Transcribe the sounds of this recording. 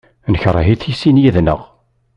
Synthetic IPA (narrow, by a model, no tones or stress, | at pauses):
nçɾˤɦiθijsinjæðnə̰ʁ